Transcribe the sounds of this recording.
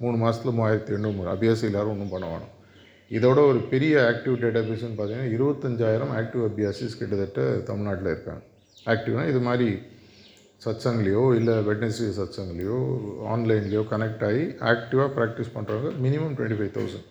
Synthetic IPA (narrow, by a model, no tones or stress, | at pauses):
muːɳːɯmaːsɐt̪ɪlɐmaːjɪɾɐt̪ːiɾɛɳɖɯmɐ̰bɪjaːsiɪlːaːɾɯɔnːɯpɐɳːɐʋḛːɳɯ̰̃ | ɪðoːɽɐɔɾɯpɛɾɪjɐaːk̚ʈɪʋʈeːʈɐbɪjaːs̬ɐnːpaːɾt̪iŋɡɐnːaːɪɾɯbɐt̪ːɐɲd͡ʒaːjɪɾɐmaːk̚ʈɪʋɐbɪjaːsiːskɪʈːɐðɐʈːɐt̪ɐmɪɭnaːʈːɪlɐɪɾɯpːa̰ːŋɡɐ | aːk̚ʈɪʋnaːɪðɯmaːd̪ɾi | sɐt͡ʃːɐŋɡɐɭɐjoːɪlːɐʋɛɖnɐsijɐsɐt͡ʃːɐŋɡɐɭɐjõːa̰ːnlɐɪnlɪjoːkɐnɛk̚ʈaːjiaːk̚ʈɪʋaːpɾaːk̚ʈɪspɐɳːɾaːŋɡɐmɪnɪmɐmʈwɛ̰ɳʈifɐɪt̪ʰɐ̰ʊsɐ̰ɳɖ